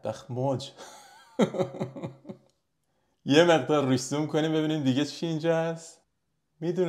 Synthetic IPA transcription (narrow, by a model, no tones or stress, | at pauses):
b̥æxmod͡ʒ | jemeɣd̪ɒːɾːusumkʰonimbebiːniːmd̪iɡet͡ʃʰiːnd͡ʒɒːæs | mid̪un